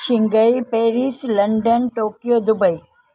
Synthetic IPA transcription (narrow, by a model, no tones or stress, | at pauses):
ʃɪ̃ŋɡəipeːɾislɐɳɖənʈoːkijoːd̪ʊbəi